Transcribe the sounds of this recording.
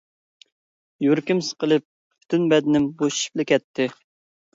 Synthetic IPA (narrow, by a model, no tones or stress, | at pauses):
juɾkʲimsɨ̥qəlˠɨp̚ | pʰy̥t̪ʰynbɛd̪ɪnɪmboʃi̥ʃi̥p̚lɪkʲʰɛt̪ʰːɪ